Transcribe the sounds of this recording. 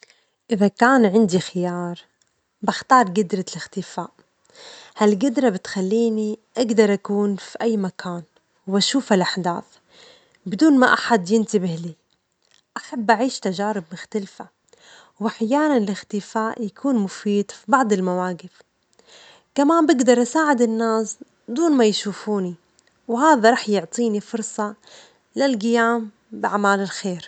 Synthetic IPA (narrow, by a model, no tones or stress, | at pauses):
ʔɪðakaːnʕɪnd̪ixɪjɑːɾˤ | baxt̪ɑːɾˤɡɪd̪ɾˤalɪxt̪ɪfaːʔ | halɡɪd̪ɾˤabɪt̪xalːiːniʔaɡd̪ɑɾˤʔakuːnfiʔajːmakʰaːn | wʔaʃuːfalʔaħd̪a̰ːθ | bɪd̪uːnmaʔaħad̪jɪnt̪ɪbɪhli | ʔaħabːʔaʕiːʃt̪aʒaːɾɪb̚mʊxt̪alfa | wʔaħjaːnanɪlɪxt̪ɪfaːʔjakʰuːnmʊfiːd̪fibɑʕd̪ˤɪlmawaːɡɪf | kamaːmbɪɡd̪ɑɾˤʔasaːʕɪd̪ɪnːaːs | d̪uːnmajʃuːfuːni | whaːðaɾˤɑːħjʊʕt̪ˤiːnifʊɾˤsˤɑ | lalɡɪjaːm | bɪaʕmaːlɪlxeːɾ